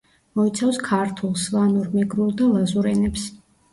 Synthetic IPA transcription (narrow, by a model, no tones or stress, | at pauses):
mɔit̪sʰafskʰaɾt̪ʰulˠsvanuɾmɛɡɾulˠd̪alˠazuɾɛnɛps